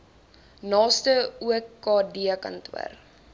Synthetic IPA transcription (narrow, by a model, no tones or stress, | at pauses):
nɑːstəuəkːɑːdiəkɐ̰ntwə̰r